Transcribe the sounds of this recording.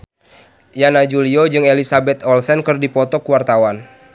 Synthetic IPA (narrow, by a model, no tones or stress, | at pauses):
janad͡ʒuliod͡ʒɨŋelisabɛt̪ɔlsɛnkɨrdipɔt̪ɔkuwart̪awan